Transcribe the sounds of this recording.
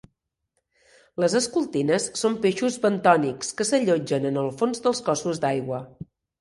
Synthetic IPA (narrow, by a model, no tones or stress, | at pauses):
ləzəskulˠt̪inəsːompeʃuzβənt̪ɔnikskəsəʎod͡ʒənənəlˠfonzd̪əlˠskɔsuzd̪ajɣwə